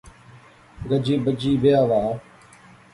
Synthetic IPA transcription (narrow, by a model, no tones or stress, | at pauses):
ɡəd͡ʒiːbəd͡ʒiːʋejaːʋaː